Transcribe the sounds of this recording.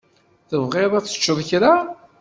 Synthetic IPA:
θəvʁɪɾˤaθə̥t͡ʃːəðˤçɾa

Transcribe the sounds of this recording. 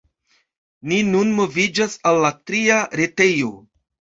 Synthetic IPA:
ninunmo̞vid͡ʒasalːatɾiaɾe̞te̞jo̞

